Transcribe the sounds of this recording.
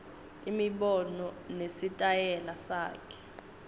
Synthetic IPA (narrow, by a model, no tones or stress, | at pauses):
imiɓɔnɔnesitʼajɛlasa̰ːkʰɛ̥